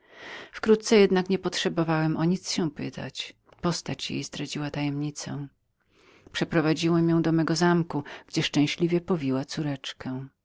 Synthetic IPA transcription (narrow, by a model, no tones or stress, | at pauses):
fkɾut̪t̪sɛjɛd̪nakɲɛpɔtʂɛbɔvawɛmʔɔɲit̪sɕɛ̃pɘt̪ʰa̰t͡ɕ | pɔst̪at͡ɕjḛjsd̪ɾad͡ʑiwat̪ajɛmɲit̪sɛ̰ | pʂɛpɾɔvad͡ʑiwɛmjɔ̃w̃d̪ɔmɛɡɔzamkuɡ̥d͡ʑɛʂt͡ʂɛ̃w̃ɕlʲivʲjɛpɔvʲiwat̪suɾɛt͡ʂkɛ̃